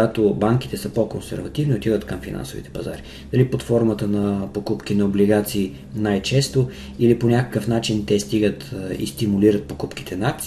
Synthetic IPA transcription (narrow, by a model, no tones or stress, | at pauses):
at̪obaŋk̟i̥t̪ɛsəpokonsɛ̰ɾvɐt̪ivnʲiot̪ivət̪kəmfina̰nso̰vḭt̪ɛ̥pɐza̰ɾi | d̪ɐlipot̪fɔɾmət̪ənɐpokupk̟inɐobliɡat̪siː | najt͡ʃɛst̪o | iliponʲakə̥kəfnat͡ʃint̪ɛst̪iɡət̪ḭst̪imuliɾət̪̚pokupk̟i̥t̪ʰɛnat̪